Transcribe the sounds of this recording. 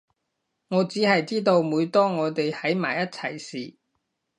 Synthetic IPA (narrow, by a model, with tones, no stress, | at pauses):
ŋɔː˨˧t͡siː˨˥hɐ˨jt͡siː˥t̪̬o˧wmuː˨˧jt̪ɔː˥ŋɔː˨˧t̪e˨jhɐ˨˥jma̰ː˨˩jɐ˥t̚t͡sʰɐ˨˩jsiː˨˩